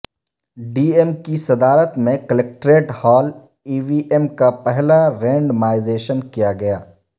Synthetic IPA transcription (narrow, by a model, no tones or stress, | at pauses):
ɖiːemkisɐd̪aːɾət̪mẽkɐlek̚ʈɾeːʈhɔːl | iːʋiʔemkapɛɦlaɾẽːɳɖmaːɪzeːʃənkijaɡɐjaː